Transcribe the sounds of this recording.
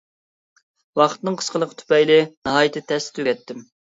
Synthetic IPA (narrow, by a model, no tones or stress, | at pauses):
wɑχt̪nɨŋqʰə̥sqəlˠəqt̪ʰy̥pɛjlɪnɨɦɑːjɪt̪ɪt̪ʰɛst̪t̪ʰøɛt̪ːɪm